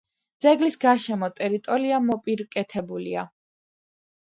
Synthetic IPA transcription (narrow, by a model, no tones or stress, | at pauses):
d̪zɛɡlisɡaɾʃɛmɔt̪ʼɛɾit̪ʼɔɾiamɔpʼiɾkʼɛt̪ʰɛbulḭa̰